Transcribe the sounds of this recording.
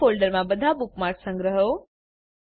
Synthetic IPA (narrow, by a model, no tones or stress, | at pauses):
oːlɖəɾmãbəd̪ʱabʊkmaːɾksə̃ŋɡɾəɦo